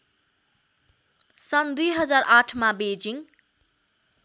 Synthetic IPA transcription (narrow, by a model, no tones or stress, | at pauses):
sʌnd̪ujɦʌd͡zarʔaʈʰmabed͡ziŋ